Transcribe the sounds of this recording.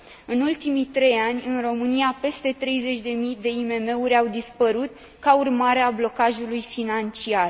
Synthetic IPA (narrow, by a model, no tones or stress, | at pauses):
ɨnult̪imit̪ɾe̞janʲɨnro̞mɨniape̞st̪e̞t̪ɾe̞jzet͡ʃʲd̪e̞mijd̪e̞ime̞me̞uɾʲawd̪ispəɾut̪ | kaurmaɾe̞ablo̞kaʒulujfinant͡ʃiar